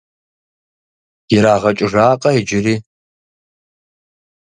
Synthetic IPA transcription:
jɪɾaːʁɐt͡ʃʼɪʐaːqʼɐid͡ʒɪriː

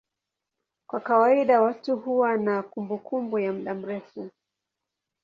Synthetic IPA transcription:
kwakawaiɗawatuhuwanakumbukumbujam̩ɗam̩ɾɛfu

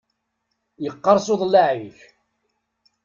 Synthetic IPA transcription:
jəqːɑɾˤsoðˤlaʕiç

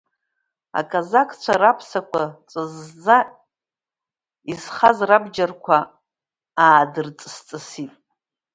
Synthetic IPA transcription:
a̰kʼazakʰt͡ɕʷʰaɾapʰsakʷʰat͡sʼɨzd͡za | izχazrabd͡ʒarkʷʰa | aːdɨrt͡sʼst͡sʼɨsitʼ

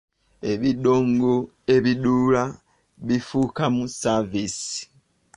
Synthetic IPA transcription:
e̞βidoːŋɡo | e̞βiduːla | βifukamusavisi̥

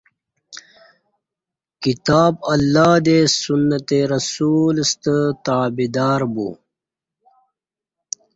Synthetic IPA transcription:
kit̪aːbɐlːaːd̪esunːət̪eɾɐsulst̪ət̪aːbid̪aːɾbṵ

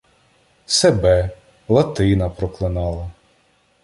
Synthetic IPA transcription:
sebɛ | lˠɐt̪ɪnɐpɾɔklˠɪnɑlˠɐ

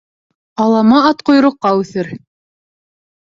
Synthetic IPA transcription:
ɑlˠɑmɑɑt̪qŏjɾŏqːɑʉθɘɾ

